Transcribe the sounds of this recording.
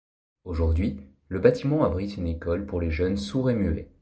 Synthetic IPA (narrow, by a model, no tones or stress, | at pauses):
oʒuʁd̪ɥi | ləbat̪imɑ̃abʁit̪ynekɔlpuʁleʒœnsuʁemyḛ